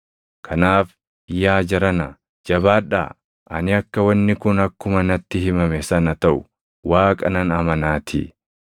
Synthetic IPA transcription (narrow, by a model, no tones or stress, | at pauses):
kʰɐnaːf | ɪjːaːd͡ʒɐɾɐnɐ | d͡ʒɐbaːᶑa̰ː | ʔɐ̰nɪɐkːɐwɐnːɪkʊnɐkːʊmɐnɐt̪ːɪhɪmɐmɛsɐnɐt̪ɐʔʊ̥ | waːkʼɐnɐnɐmɐnaːt̪ʰḭ